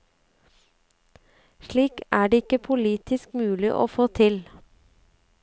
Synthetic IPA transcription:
ʃɭiːkæːɖeːɪkəpʰʊliːt̪ɪskmʉːlɪʔo̰ːfoːt̪ʰɪl

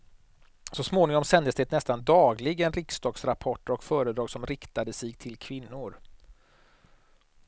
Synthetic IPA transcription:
sɔsmoːnɪŋɔmsɛnd̪əsd̪ɛt̪nɛst̪and̪ɑːɡlɪɡənɾɪksd̪ɑːɡsɾapʰɔʈːəɾɔkfœːɾəd̪ɾɑːɡsɔmɾɪkt̪ad̪əsɛt̪ʰɪlkʰvɪnːʊɾ

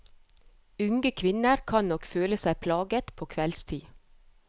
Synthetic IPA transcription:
ʉŋɡəkʰʋɪnəɾkʰɑnnɔkføːləsæɪpʰlɑːɡət̪pʰoːkʰʋɛlst̪ʰiː

